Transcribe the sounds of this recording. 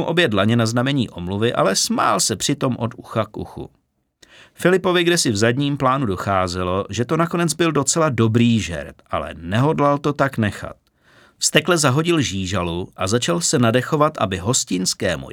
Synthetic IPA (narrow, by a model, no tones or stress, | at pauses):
uʔo̞bjɛdlaɲɛnaznamɛɲḭːʔo̞mluvɪʔa̰lɛsma̰ːlsɛpr̝̥ɪt̪o̞mʔo̞duxakṵxṵ | fɪlɪpo̞vɪɡdɛsɪvzadɲiːmplaːnudo̞xaːzɪlo̞ʒɛt̪onako̞nɛd͡zbɪldo̞t͡sɛlado̞bɾiːʒɛ̰ɾt̪ʔa̰lɛ̰nɛɦo̞dlalt̪o̞t̪aknɛxa̰t̪̚ | fst̪ɛklɛzaɦo̞ɟɪlʒiːʒaluʔazat͡ʃalsɛnadɛxo̞vat̪ʔa̰bɪɦo̞scɪnskɛ̰ːmṵ